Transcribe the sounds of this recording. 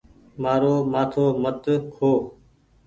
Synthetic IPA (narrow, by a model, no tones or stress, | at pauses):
maːɾoːmaːt̪ʰoːmət̪kʰoː